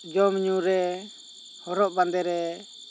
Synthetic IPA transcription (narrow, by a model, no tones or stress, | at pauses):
d͡ʒɔmɲuɾɛ | hɔɾɔʔband̪ɛɾɛ